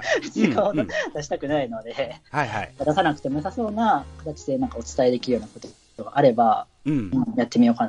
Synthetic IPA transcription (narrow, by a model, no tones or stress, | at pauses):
t͡ɕiɡaod̪̥aɕ̬i̥t̪akɯ̟naino̞d̪e̞aaad̪asanakɯ̟̥t̪e̞mo̞saso̞ːnakat̪at͡ɕi̥d̪e̞nãŋkao̞t͡sɨ̥t̪ae̞d̪e̞kʲiɾɯjo̞ːnakot̪ | oɡa̰ʔaɾe̞ba | ɯ̃jat̪ːe̞mʲio̞ːkan